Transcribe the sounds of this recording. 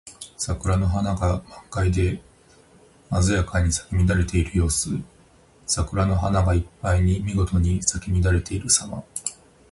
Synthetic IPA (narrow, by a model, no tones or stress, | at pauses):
sakɯ̟ɾano̞ɦanaɡamãŋkaid̪e̞ | mazɨjakaɲ̟isḁkʲimʲid̪aɾe̞t̪e̞iɾɯ̟jo̞ːsɨ | sakɯ̟ɾano̞ɦanaɡaipːaiɲ̟imʲiɡo̞t̪o̞ɲ̟isakʲimʲid̪aɾe̞t̪e̞iɾɯ̟sama̰